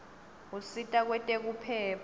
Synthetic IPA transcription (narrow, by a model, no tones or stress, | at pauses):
usitʼak̬wɛtʼɛk̬upʰɛːpʰ